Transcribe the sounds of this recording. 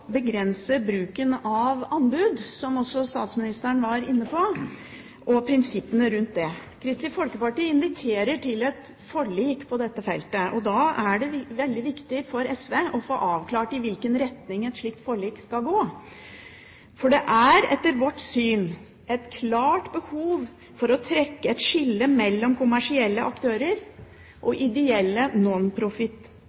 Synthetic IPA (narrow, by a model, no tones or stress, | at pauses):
bəɡɾɛnsəbɾʉːkənɑʋɑnbʉd̪sɔmɔsːɔst̪ɑːt̪smɪnɪst̪əɾɳʋɑɾɪnːəpʰɔ | ʔɔpʰɾɪnsɪpːənəɾʉnt̪̚d̪ɛkʰɾɪst̪ɪfɔlkəpɑʈiːɪnʋɪt̪ʰeːɾəʈʰɪlɛt̪ | fɔɭiːkpʰɔd̪ɛt̪ːəfɛ̰lt̪əʔɔd̪ɑːæɖɛʋɛld̪ɪʋɪkt̪ɪfɔɾɛsʋeːʔɔfo̰ːʔɑːʋkʰlɑːʈɪʋɪlkənɾɛt̪nɪŋɛt̪ʂɭiːk̚t̪fɔɭiːkskɑlɡoː | fɔɖɛʔæɾɛ̰t̪ːəɾʋɔʈsyːn | ɛt̪kʰlɑːʈbəhuːʋ | fɔɾɔt̪ʰɾɛkːəɛt̪ʂɪlːəmɛlːɔmkʰʊmæʂɪɛlːəʔɑkt̪ʰøːɾəɾ | ʔɔʔɪd̪ɛɛlːənɔnpʰɾʊfɪt̪ː